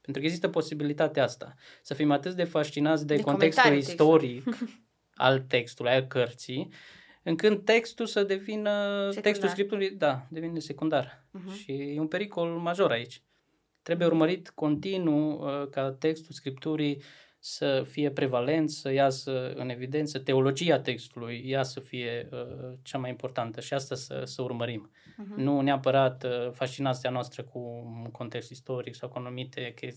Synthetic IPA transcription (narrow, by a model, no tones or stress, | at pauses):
pent̪ɾukəeɡzist̪əpo̞sibilit̪at̪east̪a̰ | səfimat̪ɨt̪̚d̪e̞faʃt͡ʃinat̪s̬ʲd̪ekont̪ekst̪ulist̪o̞ɾik | a̰lt̪e̞kst̪ulujalkərt̪si | ɨŋkɨnd̪̚t̪e̞kst̪usəd̪e̞vinət̪ekst̪ulskɾip̚t̪uɾid̪ad̪e̞vinese̞kund̪ar | ʃijeunmpe̞ɾiko̞lmaʒo̞ɾait͡ʃʲ | t̪ɾe̞buje̞urməɾit̪ko̞nt̪inuəkat̪e̞kst̪ulskɾip̚t̪uɾij | səfije̞pɾe̞vale̞nt̪səjasəɨ̰ne̞vid̪ent̪sət̪e̞o̞lo̞d͡ʒiat̪e̞kst̪ulujːasəfije̞ət͡ʃamajimpo̞rt̪ant̪əʃiast̪asə̰səurməɾim | nuneapəɾat̪fast͡ʃinant̪sianoast̪ɾəkʰuko̞nt̪e̞kst̪ist̪o̞ɾiksawkuanumit̪e̞ke